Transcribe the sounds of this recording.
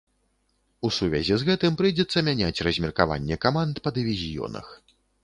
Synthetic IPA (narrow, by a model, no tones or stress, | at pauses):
usuvʲɛ̰zʲizɣɛt̪ɨmpɾɨjd͡zʲɛt̪sːɐmʲanʲat͡sʲrɐzʲmʲɛrkava̰nʲːɛkamant̪pɐd̪ɨvʲizʲijɔ̰nɐ̰x